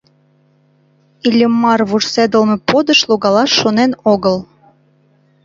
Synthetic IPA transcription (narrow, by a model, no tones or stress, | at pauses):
ilʲəmːɑrβuʒsed̪əlmepod̪əʃloɣɑlɑʃːonenoɣəl